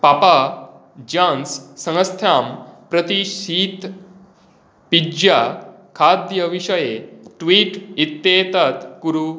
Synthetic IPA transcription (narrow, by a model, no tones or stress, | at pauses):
papa | d͡ʑãnsːə̃ŋəst̪ʰɾampɾət̪iɕiːt̪ | pid͡ʑja | kʰad̪jəʋiɕəjeʈʋiːʈit̪ːet̪at̪kuɾu